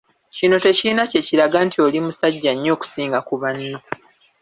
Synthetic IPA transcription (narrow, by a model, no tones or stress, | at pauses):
cino̞te̞cinace̞ciɾaɡantʰiolimusaɟːaɲːo̞ːku̥siːŋɡakuβanːo̞